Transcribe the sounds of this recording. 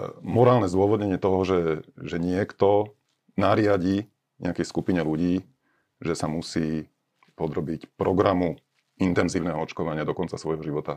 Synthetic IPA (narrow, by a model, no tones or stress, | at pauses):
mɔɾaːlnɛzd̪ʊɔʋɔd̪ɲɛɲɪɛt̪ɔɦɔʒɛʒɛɲɪɛkt̪ɔ | naɾɪaɟi | ɲɛ̰akɛjskupiɲɛluɟiː | ʒɛsamusiː | pɔd̪ɾɔbicpɾɔɡɾamu | int̪ɛnziːʊnɛɦɔɔt͡ʃkɔʋaɲɪad̪ɔkɔnt͡sasʋɔjɦɔʒiʋɔt̪a